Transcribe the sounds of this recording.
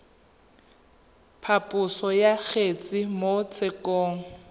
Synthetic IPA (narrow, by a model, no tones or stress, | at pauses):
pʰapʼʊsɔjak͡xʰet͡sʼɪmot͡sʰɪkʼɔːŋ̩